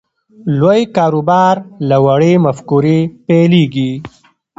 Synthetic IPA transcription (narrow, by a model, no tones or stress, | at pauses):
lojkɑːɾubɑːɾlawaɽemafkuɾepeleɡi